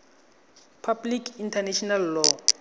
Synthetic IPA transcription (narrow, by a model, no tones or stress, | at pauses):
pʰablikʰintʰanɛʃɔnalːɔ